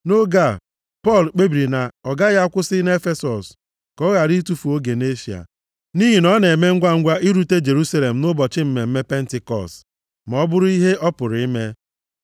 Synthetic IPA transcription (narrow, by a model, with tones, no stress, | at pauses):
no˦ɡa˦˨ | pɔ˦˨lk͡pe˦bi˨ɾi˨na˨ɔ˨ɡa˦ɣa˦kʷʊ˦sɪ˦ne˦fe˦sɔ˨s | kɔ˦ɣa˨ɾi˦tu˦fu˨o˦ɡe˨ne˦sja̰˨ | ni˦ɦi˨nɔ˦ne˨me˦ŋ̩˦ɡʷa˦ŋ̩˦ɡʷa˦i˦ɾu˨te˦d͡ʒe˨ɾu˦sa˦le˨m̩˨nʊ˦bɔ˨t͡ʃɪ˦m̩˦me˨m̩˦me˦pe˦n̩˦tɪ˨kɔ̰˨st | m˨ɔ˦bʊ˦ɾʊ˦i˦ɦe˦ʔɔ˦pʊ˨ɾɪ˦me˦